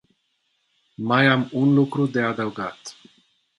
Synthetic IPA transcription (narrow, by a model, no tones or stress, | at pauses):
majamunlukɾud̪e̞ad̪əwɡat̪